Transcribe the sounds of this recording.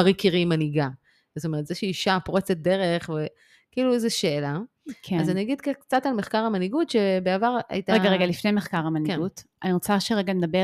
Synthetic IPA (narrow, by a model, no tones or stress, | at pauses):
aʁikiʁimaniɡa | zost̪oe̞etzeʃeiʃapoʁet͡set̚d̪eʁe̞χve | kiːluezeʃe̞ːla | kʰeazaniaɡid̪kakt͡satalmeχkaʁhamaniɡutʃebeavaʁa̰jitaʁeɡaʁeɡalifnejmeχkaʁamankieɡutʔaniʁot͡saʃeʁeɡamed̪abe